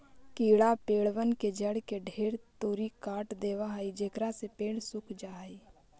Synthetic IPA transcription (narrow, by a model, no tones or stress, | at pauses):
kiːɽapeːɽʋənked͡ʒəɽkeɖʱeːɽt̪uːɾikaːʈd̪eːʋaɦəid͡ʒekɾasepeːɽsʊkʰd͡ʒaːɦəiː